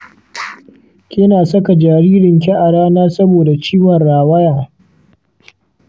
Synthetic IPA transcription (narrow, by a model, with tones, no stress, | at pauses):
kʲɪ˦naː˨sɐ˦ka˨d͡ʒaː˨ɾiː˦ɾɪ˨ŋkʲɛ˦ʔa˨ɽaː˦naː˦sɐ˦boː˨da˨t͡ʃiː˦wɐ˨nɽaː˨wɐ˦jaː˨